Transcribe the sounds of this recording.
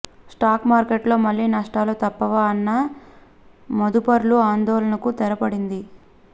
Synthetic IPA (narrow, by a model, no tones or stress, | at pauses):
sʈaːkmaːɾkeʈlo̞ːmɐlːiːnɐʂʈaːloːt̪ɐpːɐʋaːɐnːɐ | mod̪upɐɾluaːnd̪ɔːlɐnɐkut̪ɛɾɐpɐɽind̪i